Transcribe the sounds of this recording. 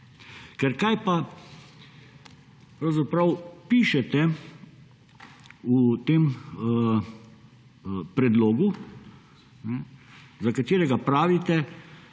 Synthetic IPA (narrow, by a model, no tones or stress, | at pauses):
kɛɾkajpa | pɾawzapɾɐwpiːʃɛt̪ɛ | ut̪eːm | pɾɛd̪loːɡu | nɛzakat̪eːɾɛɡapɾaːʋit̪ɛ